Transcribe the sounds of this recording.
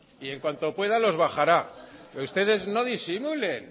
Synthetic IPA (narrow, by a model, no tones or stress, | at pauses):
ie̞ŋkwant̪o̞pwe̞ðalo̞zβaχaɾaust̪e̞ðe̞zno̞ðisimule̞n